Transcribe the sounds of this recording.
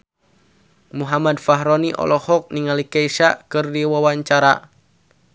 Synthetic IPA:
muɦamadfaɦɾɔniʔɔ̰lɔhɔk̚niŋalikaiʃakɨrdiwawaɲt͡ʃaɾa

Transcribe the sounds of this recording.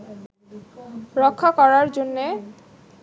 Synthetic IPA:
ɾɔkʰːakɔɾaɾd͡ʑonːe

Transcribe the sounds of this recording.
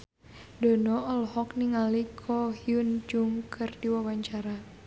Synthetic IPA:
dɔnɔɔlhɔkniŋalikʰɔhiund͡ʒuŋkɨrdiwawaɲt͡ʃaɾa

